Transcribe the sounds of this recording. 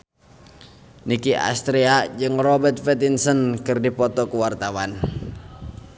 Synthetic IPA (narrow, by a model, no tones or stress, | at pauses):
nikiʔa̰st̪ɾiad͡ʒɨŋrɔbɛt̪̚fɛt̪insənkɨrdipɔt̪ɔkuwart̪awan